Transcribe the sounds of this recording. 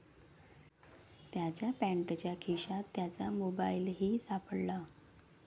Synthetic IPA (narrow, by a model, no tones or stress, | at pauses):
t̪jat͡ɕjapæ̃ɳʈt͡ɕjakʰiɕat̪ːjat͡samobailɦiːsapəɽla